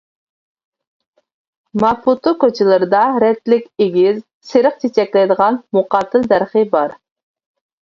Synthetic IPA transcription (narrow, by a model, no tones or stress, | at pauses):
mɑfut̪ʰokʲøt͡ʃʰɪlˠɨɾɨd̪ɑɾɛt̪lɪkʲeɡʲiz | sɨɾəq̚t͡ʃʰet͡ʃʰɛkʲlɛjd̪əʁɑnmuqɑt̪ʰːɨld̪æɾχɨbɑɾ